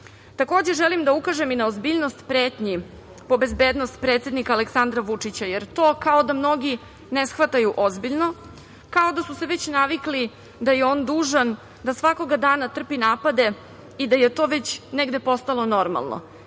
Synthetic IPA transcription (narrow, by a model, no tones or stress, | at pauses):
t̪ako̞ːd͡ʑe̞ʒelimd̪aukaʒeminaozbiːʎno̞st̪pɾeːt̪ɲi | po̞be̞zbeːd̪nost̪̚pɾe̞ːt̪sʲed̪nikaːleksand̪ɾaʋut͡ʂit͡ɕajeɾt̪o̞ːkao̞d̪amno̞ɡi | nesxʋat̪ajuʔo̞zbiʎno̞ | kao̞d̪asuse̞ʋet͡ɕnaʋikli | d̪ajeo̞ːnd̪uːʒan | d̪asʋako̞ɡad̪aːnat̪r̩pinaːpad̪e̞ | id̪ajet̪o̞ːʋet͡ɕneɡd̪e̞po̞st̪alo̞no̞ɾma̰lˠno̰